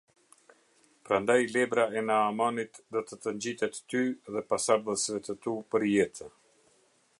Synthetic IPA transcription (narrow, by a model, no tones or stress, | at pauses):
pɾand̪ajlɛbɾaɛnaːmanit̪d̪ɔt̪ət̪əɲd͡ʑit̪ɛt̪ːyðɛpasaɾðəsvɛt̪ət̪upəɾjɛt̪ʰə